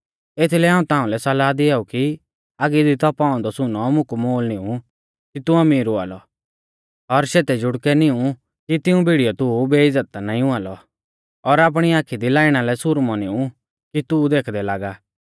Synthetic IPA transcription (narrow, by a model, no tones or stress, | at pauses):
et̪ʰilɛɦãːũt̪ãːũlɛsɐlaːd̪ɪɛuki | aːɡid̪it̪ɔpaːɔ̃nd̪ɔsʊnɔmʊ̃kmoːlnɪũ | kit̪ʊɐmiːɾʊa̰ːlɔ̰ | ɔɾʃeːt̪ɛd͡ʒʊɽkɛnɪũ | kit̪ɪũbʱiɽijɔt̪ʊbeːɪd͡zət̪anaːĩʊ̃alɔ | ɔɾaːp̬ɽ̃iaːkʰid̪ilaːɪɽ̃alɛsʊɾmɔnɪũ | kit̪ud̪eːkʰd̪ɛlaːɡaː